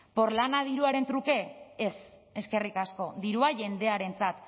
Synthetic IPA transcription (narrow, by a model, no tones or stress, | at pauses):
po̞ɾlanaðiɾuaɾe̞nt̪ɾuke̞ese̞ske̞rikasko̞ðiɾuaʝe̞nd̪e̞aɾe̞nt͡sat̪